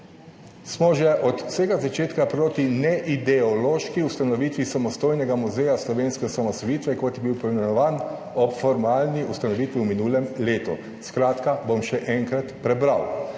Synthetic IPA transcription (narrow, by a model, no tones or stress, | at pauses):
smɔʒɛʔɔt̪u̥sɛːɡazat͡ʃeːt̪kapɾoːt̪inɛʔid̪ɛɔloːʃkiust̪anɔʋiːt̪ʋisamɔst̪oːjnɛɡamuzɛjaslɔʋeːnskɛsamɔst̪ɔjiːt̪ʋɛkot̪jɛbiwpimɛnɔʋaːn | ɔpfɔɾmaːlniust̪anɔʋiːt̪ʋiwminuːlɛmleːt̪ɔ̰ | skɾaːt̪kabomʃɛʔɛŋkɾat̪pɾɛbɾaw